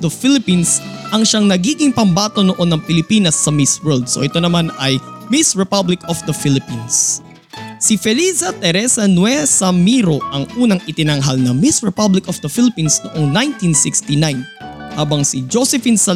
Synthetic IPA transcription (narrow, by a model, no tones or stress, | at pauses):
d̪ɐfɪlɪpinsʔɐŋʃaŋnɐɡiːɡɪŋpɐmbaːt̪o̞noʔo̞nːɐŋpɪlɪpiːnɐsːɐmɪswɛɹld̪̚so̞̰ʔɛt̪o̞nɐmanɐjmɪsɹɛpablɪkɔfd̪ɐfɪlɪpins | sɪfɛlisɐt̪ɛɾɛsɐnwɛsɐmiɾoʔɐŋʔuːnɐŋʔɪt̪ɪnɐŋɦalnɐmisɹɛpablɪkɔfd̪ɐfilɪpinsnoʔo̞ŋnajnt̪insɪkst̪inajn | haːbɐŋsɪd͡ʒosɛfinsɐ